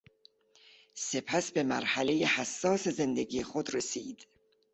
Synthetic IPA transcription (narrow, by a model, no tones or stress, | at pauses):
se̞pʰæsbe̞mæɾhælejehæsːɒːseze̞nd̪eɡiːexod̪ɾesiːd̪̥